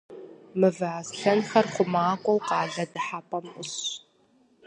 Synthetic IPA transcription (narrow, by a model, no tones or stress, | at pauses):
mɨvɨʕasɬɐnxɐrχʷʊmaːkʷʼɔwqɑːɮɐdɨħapʼɐmʊɕ